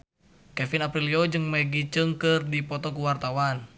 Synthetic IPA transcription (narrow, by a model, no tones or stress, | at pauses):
kɛfinapɾiliod͡ʒɨŋməɡit͡ʃəŋkɨrdipɔt̪ɔkuwart̪awan